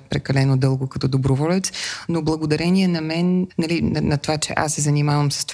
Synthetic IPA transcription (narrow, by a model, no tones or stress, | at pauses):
pɾɛkɐlɛnod̪ɤlˠɡokɐt̪ɔd̪obɾovɔlʲɛt̪snoblˠɐɡod̪ɐɾɛniɛnɐmɛnnɐlinɐnɐt̪ovat͡ʃɛ̰ʔa̰sːɛzɐnimavəmsə̥st̪